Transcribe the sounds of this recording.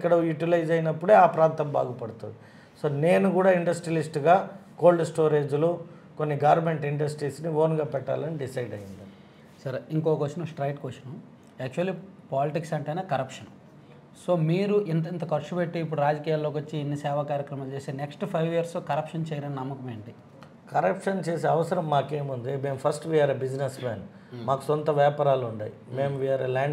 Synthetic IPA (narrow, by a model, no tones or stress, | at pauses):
kːɐɽɐjuʈilɐjd͡ʒɐjinɐpːuɽeːaːpɾaːnt̪ɐmba̰ːɡupɐɽut̪und̪i | so̞ːne̞ːnukuːɽaːiɳɖɐsʈɾilisʈɡaːko̞ːlɖsʈoːɾe̞ːd͡ʒlu | konːiɡɐʋɾme̞ɳʈiɳɖɐsʈɾiːsniʋoːnɡaːpɛʈːa̰ːlɐniɖisɐjɖɐjind̪ɐni | sɐɾiŋkɔːkʋɐst͡ʃnɐsʈɾɐjʈkʋosɐnu | ɛːk̚t͡ʃuɐlːiːpaːliʈiksɐɳʈɐjnaːkɐɾɐpʂɐn | soːmiːɾuʔint̪̬ɐint̪ɐkɐɾt͡ʃupeʈːuipːuɽuɾaːd͡ʒɐkiːjaːlːoːkʋɐt͡ʃːiːnːisɛːʋakaːɾjɐkɾɐmaːlt͡ʃeːseːneksʈpʰɐjʋijɐɾsoːkɐɾɐpʂɐnt͡ʃɛːjɐɾɐninɐmːɐkɐmeːɳɖi | kɐɾɐpʂɐnt͡ʃe̞ːseːɐʋɐsɐɾɐmːaːke̞ːmund̪ime̞ːmpʰɐɾsʈʋiːaːɾɐbid͡ʒnesmaːn | maːku̥sɔnt̪ɐʋɛːpɐɾaːluɳɖa̰ːjimeːmʋiːaːɾɐlaːɳ